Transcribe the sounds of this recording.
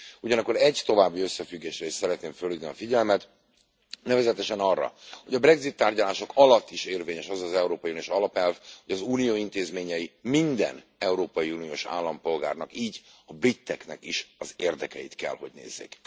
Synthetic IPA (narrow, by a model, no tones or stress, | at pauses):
uɟɒnɒkːo̞ɾɛɟt̪o̞vaːbːiø̞sːɛfyɡːeːʃɾɛeːʃsɛɾɛt̪neːɱfølːid̪niɒfiɟɛlmɛt̪ | nɛvɛzɛt̪ɛʃɛnɒrːɒ̰ho̞ɟɒbrɛɡzit̪ːaːrɟɒlaːʃo̞kɒlɒt̪ːiʃeːrveːɲɛʃɒzɒzɛuɾoːpɒjuːnioːʃɒlɒpɛlvho̞ɟɒzuːnijoːint̪eːzmeːɲɛjimind̪ɛ̰nɛuɾoːpɒjiuːnijoːʃa̰ːlːɒmpo̞lɡa̰ːrnɒkiːɟɒbrit̪ːɛknɛkiʃɒzeːrd̪ɛkɛjḭt̪kɛ̰lho̞ɟnḛːzːḛːk